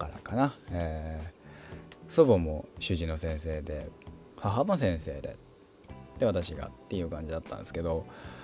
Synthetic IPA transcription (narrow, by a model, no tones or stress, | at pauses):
kaɾa̰kanaeː | so̞bomo̞ɕɨʑino̞sẽ̞ɰ̃se̞ːd̪e̞ | haɦamos̬ẽ̞ɰ̃se̞ːd̪e̞̰ | t̪ːe̞βat̪aɕiɡa̰t̪ːe̞jɯ̟ːkãɲ̟d͡ʑid̪at̪ːã̰nd̪e̞sɨ̥ke̞d̪o̞